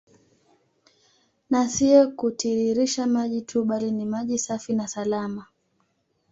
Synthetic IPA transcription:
nasiɔkutʰiɾiɾiʃamaʄitʰuɓalinimaʄisafinasalama

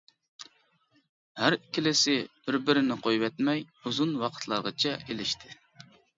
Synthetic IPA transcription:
hæɾkʲʰɪlɪsɪb̥ɪɾbɪɾɪnɪqʰojwɛt̪mɛjuzunwɑqʰə̥t̪ʰlˠɑ̰ʁət͡ʃʰɛelɪʃt̪ʰɪ̥

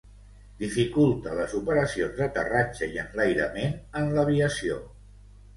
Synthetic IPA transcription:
d̪ifikulˠt̪ələzupəɾəsionzðət̪ə̰rat͡ʃəjiənlajɾə̰menənləβiəsio

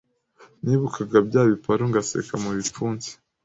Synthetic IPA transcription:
ɲiːβukʰaɡabɟaːβipaɾoŋɡasḛkamuβip͡fuːnze̥

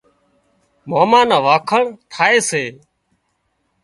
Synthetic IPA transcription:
maːmãːnãːʋaːkʰəɳt̪ʰaːeːseː

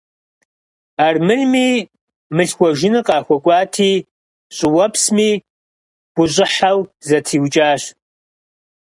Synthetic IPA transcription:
aːrmɨnmiː | mɨɬxʷɔʒɪnɨqɑːxʷɔkʷʼɑːtʰiː | ɕʼɪwɐpsmiː | b̥ʷʊɕʼɪħawzɐtʰiːwt͡ʃʼaːɕ

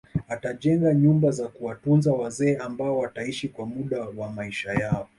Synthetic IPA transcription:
ataʄɛŋɡaɲumbazakuwatunzawazɛːʔambaɔwataiʃikwamuɗawamaiʃajaɔ

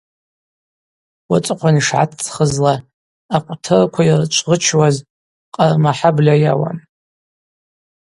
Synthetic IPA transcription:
wat͡sʼqʷʰaniʂʕa̰tʰt͡sʰχəzla | aqʷʼtʰɨrkʷʰairt͡ʃʷʰʼʁət͡ʃʰwaz | qʼamaħablʲajawa̰m

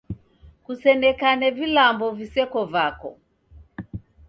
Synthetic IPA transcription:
kusɛnɛkanɛvilambɔvisɛkɔvakɔ̰

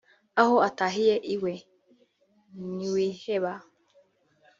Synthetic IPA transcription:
aɦoataɦijeʔiwe | niwiheβa

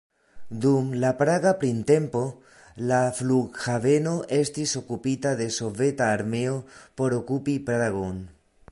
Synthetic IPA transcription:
dumlapɾaɡapɾinte̞mpo̞ | lafluɡhave̞no̞ʔe̞stiso̞kupitade̞so̞ve̞taːɾme̞o̞po̞ɾo̞kupipɾaɣo̞n

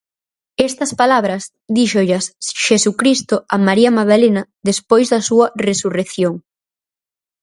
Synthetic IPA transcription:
ɛst̪ɐspalaβ̞ɾɐz | d̪iʃoʎɐsʃesukɾist̪ʊɐmaɾiɐmaðalenɐðespojzðɐsuɐresureθjoŋ

